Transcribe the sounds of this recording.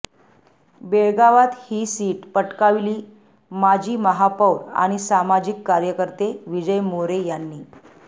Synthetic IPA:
beɭɡaʋat̪hiːsiːʈpəʈkaʋiliː | mad͡ʑʱiːməɦapəwɾa̰ɽ̃isamad͡ʑikːaɾjəkəɾt̪eʋid͡ʑəjmoɾejanːiː

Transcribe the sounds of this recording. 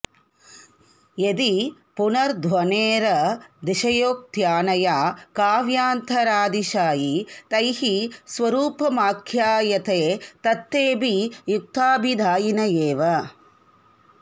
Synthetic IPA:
jed̪i | punɐɾd̪ʱʋɐneːɾɐd̪iʃɐjoːk̚t̪jaːnɐjaːkaːʋjaːnt̪ʰɐɾaːd̪iʃaːjit̪ɐjhisʋɐɾuːpɐmaːkʰjaːjɐt̪eːt̪ɐt̪ːeːbijuk̚t̪aːbʱid̪ʱaːjinɐjeːʋɐ

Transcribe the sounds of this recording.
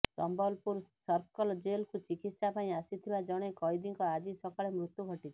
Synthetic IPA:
ssɔ̰mbɔlpuɾsɔɾkɔld͡ʒelkut͡ʃikit̪ssapaĩasit̪ʰibad͡ʒɔɽ̃ekɔjd̪iŋkɔad͡ʒisɔkaɭemɾut̪ːjuɡʱɔʈit͡ʃʰɔ̥

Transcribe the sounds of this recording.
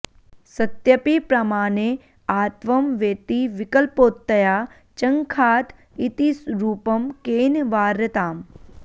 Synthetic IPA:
sɐt̪jɐpipɾɐmaːne | aːt̪ʋɐmʋeːt̪iʋɪkɐlpoːt̪ːɐjaː | t͡ʃɐ̃ŋkʰaːt̪ | it̪isɾuːpɐmkeːnʋaːɾɐt̪aːm

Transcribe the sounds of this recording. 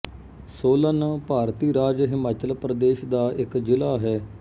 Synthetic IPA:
soːlənpaːɾt̪iːɾaːd͡ʒɦɪmaːt͡ʃəlpɾəd̪eːʃd̪aːʔɪkd͡ʒɪlaːɦɛː

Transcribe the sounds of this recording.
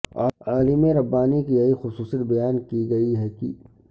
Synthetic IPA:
aːlɪmẽɾɐbːaːnikijɐɦixʊsuːsət̪bɐjaːnkiɡɐiɦɛkḭ

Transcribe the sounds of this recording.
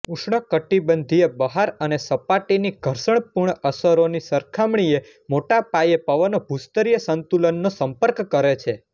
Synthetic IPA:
uʃɳəkəʈibənd̪ʱiebəɦaɾənesəpaʈiniɡʱəɾsəɳ̃puɾɳ̃əsəɾonisəɾkʰamɳie | moʈapajepəʋənobʱust̪əɾijəsənt̪ulənːosəmpəɾkːəɾet͡ʃʰe

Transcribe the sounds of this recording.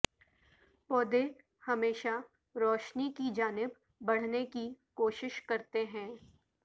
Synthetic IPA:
pɔːd̪e | hɐmeːʃa | ɾɔːʃnikid͡ʒaːnɪbː | ɐɽ̤nekikoːʃɪʃkɐɾt̪eɦɛ̃ː

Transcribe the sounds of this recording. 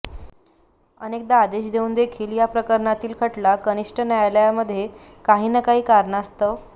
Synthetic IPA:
ənek̚d̪aːd̪eɕd̪euːnd̪ekʰiːljapɾəkəɾɳat̪iːlkʰəʈlakəniʂʈənjajljaməd̪ʱːje | kaɦiːnəkaɦiːkaɾɳast̪ə

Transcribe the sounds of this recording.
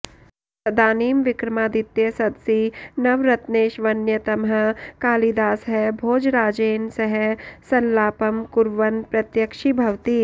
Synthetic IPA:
sɐd̪aːniːmʋɪkɾɐmaːd̪ɪt̪jesɐd̪sinɐʋɾɐt̪neːʃʋɐnjɐt̪ɐmɦɐkaːlid̪aːsɦɛbʱoːd͡ʒɾaːd͡ʒeːnsɐɦɛsɐlːaːpɐmkʊɾʋɐnpɾɐt̪jəkʃibʱɐʋt̪iː

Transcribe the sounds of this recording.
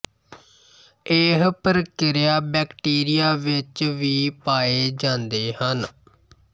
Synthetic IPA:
eːɦpəɾəkɪɾɪjaːbɛːkʈiːɾɪjaːʋɪt͡ʃʋiːpaːeːd͡ʒãːnd̪eːhən

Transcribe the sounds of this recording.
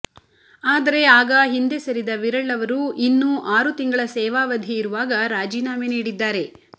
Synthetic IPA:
aːd̪ɐɾe̞aːɡɐɦind̪esɐɾid̪ɐʋiɾɐɭːɐʋɐɾuʔinːuːʔaːɾut̪iŋɡɐɭɐsɛːʋaːʋɐd̪ʱiiɾuʋaːɡɐɾaːd͡ʒiːnaːmeniːɽid̪ːaːɾe̞

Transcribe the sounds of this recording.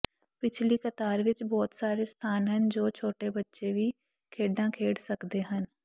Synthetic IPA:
pɪt͡ʃʰliːkət̪aːɾʋɪt͡ʃbɔːt̪saːɾest̪ʰaːnɦənd͡ʒoːt͡ʃʰoːʈebətːʃeʋiː | kʰeːɖãːkʰeːɽsəkd̪eːɦən

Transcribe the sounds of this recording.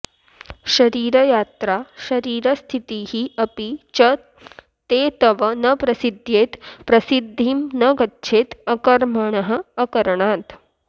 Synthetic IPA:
ʃɐɾiːɾɐjaːt̪ɾaːʃɐɾiːɾɐst̪ʰit̪iːhiɐpit͡ʃɐ | t̪eːt̪ɐʋɐnɐpɾɐsid̪ʱjeːt̪pɾɐsid̪ʱːimnɐɡɐtːʃʰeːt̪ɐkɐɾmɐɳɐɦə̆ːkɐɾɐɳaːt̪

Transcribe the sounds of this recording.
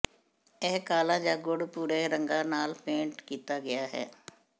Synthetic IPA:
ɛːkaːlãːd͡ʒaːɡʊɽpuːɾeːɾəŋɡãːnaːlpẽːɳʈkiːt̪aːɡɪjaːɦɛ̰ː

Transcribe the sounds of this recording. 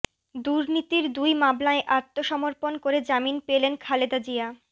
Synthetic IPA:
d̪uɾnit̪iɾd̪ujmablaeʔaɾt̪ʰːoʃɔmoɾponkoɾed͡ʑaminpelenkʰaled̪ad͡ʑia

